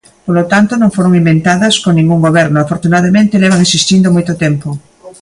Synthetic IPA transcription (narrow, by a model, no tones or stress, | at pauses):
polot̪ant̪onõŋfoɾoŋimbent̪aðɐskonĩŋɡuŋɡoβɛɾnoafoɾt̪unaðɐmẽnt̪elɛβ̞aŋesist̪ind̪omojt̪ot̪empo